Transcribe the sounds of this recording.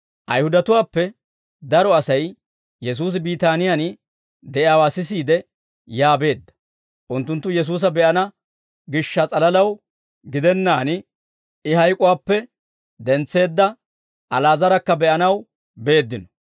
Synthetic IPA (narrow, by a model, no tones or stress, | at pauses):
ʔɐ̰jhʊd̪ɐt̪ʊwaːpːɛ | d̪ɐɾɔɐsɐj | jɛs̬uːs̬ɪbiːt̪aːnɪjan | d̪ɛjaːwaːsɪsiːd̪ɛ | jaːbe̞ːd̪ːɐ̥ | ʔʊnt̪ːʊnt̪ːʊjɛs̬uːs̬ɐbɛʔɐnɐ | ɡɪʃːɐt͡sʼɐlɐlɐw | ɡɪd̪ɛnːaːn | ɪhɐjkʼʊwaːpːɛ | d̪ɛnt͡sːe̞ːd̪ːɐ | ʔɐlaːzɐɾɐkːɐbɛʔɐnɐw | be̞ːd̪ːɪnɔ̥